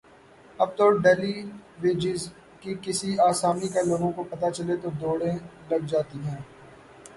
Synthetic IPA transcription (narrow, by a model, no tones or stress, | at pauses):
ɐb̚t̪ɔːɾɖɛːliʋeːd͡ʒɪz | kikɪsiaːsaːmikeloːɡõkopɐt̪at͡ʃɐlet̪od̪oːɽẽlɐɡ̚d͡ʒaːt̪iɦɛ̃ː